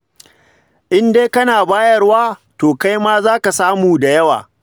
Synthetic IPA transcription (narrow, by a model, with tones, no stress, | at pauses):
ʔɪ˦ndeː˦kɐ˦naː˨baː˦jɐ˦rwaː˦toː˨ka˦jmaː˦zaː˦ka˨saː˦muː˨da˨jɐ˦wa̰ː˨